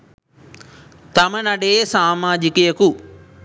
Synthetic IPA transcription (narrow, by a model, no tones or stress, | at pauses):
t̪ɐmɐnɐɖeːsaːmaːd͡ʒikijɐku